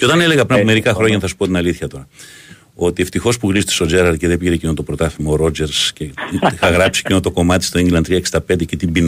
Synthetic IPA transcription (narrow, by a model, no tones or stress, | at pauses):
ceo̞t̪ɐnele̞ɣɐpɾinɐpome̞ɾikɐxɾo̞ɲɐnθɐsu̥po̞t̪inɐliθçɐt̪o̞ɾɐ | o̞t̪ieft̪ixo̞spuɣɾist̪i̥so̞d͡zeɾɐɾceðepiʝeɾecinot̪o̞pɾot̪ɐθimoːɾo̞d͡ʒe̞ɾsceixɐɣɾɐpsi̥cino̞t̪oko̞mɐt̪i̥st̪oeɲɟilɐnt̪ɾiɐeksind̪ɐpe̞nd̪ecet̪imbin